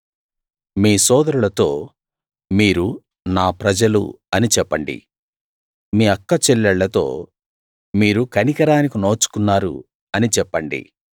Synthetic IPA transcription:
miːsɔːd̪ɐɾulɐt̪o̞ː | miːɾu | naːpɾɐd͡ʒɐlṵ | ɐnit͡ʃɛpːɐɳɖḭ | miːɐkːɐt͡ʃɛlːɛɭːɐt̪o̞ː | miːɾukɐnikɐɾaːnikinoːt͡ʃu̥kunːaːɾṵ | ɐnit͡ʃɛpːɐɳɖḭ

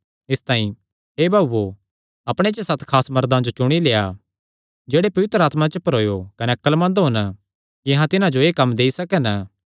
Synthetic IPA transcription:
ɪst̪ãːĩ | eːbʱaːbːo | ɐpɽ̃et͡ʃəsɐt̪kʰaːsmɐɾd̪ãd͡ʒot͡ʃʊɽ̃ileːa̰ | d͡ʒeːɽepɐʋɪt̪ɾəaːt̪mãt͡ʃəpɐɾoːjokɐneɐkːəlmɐ̃nd̪ɦon | kijɐɦãt̪ɪnãd͡ʒoeːkɐmːd̪eːisɐkɛnə

